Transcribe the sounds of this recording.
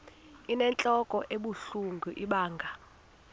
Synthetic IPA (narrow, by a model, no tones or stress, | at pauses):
inɛnt͡ɬʼɔkʼɔʔeɓuɬuŋɡʱuʔiɓaːŋɡʱa